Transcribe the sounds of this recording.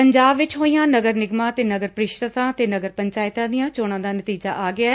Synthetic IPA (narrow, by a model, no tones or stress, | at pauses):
pəɲd͡ʒaːbʋɪt͡ʃɦoːijãːnəɡəɾnɪɡmãːt̪eːnəɡəɾpəɾɪʃɾət̪ãːt̪eːnəɡəɾpəɲt͡ʃaːɪt̪ãːd̪ijãːt͡ʃoːɽ̃ãːd̪aːnət̪iːd͡ʒa̰ːʔaːɡɪaːɛː